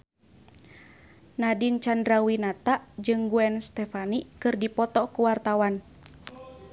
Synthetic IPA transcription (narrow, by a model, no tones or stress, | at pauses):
nadint͡ʃandɾawinat̪aʔd͡ʒɨŋɡuɛnst̪ɛfanikɨrdipɔt̪ɔkuwart̪awan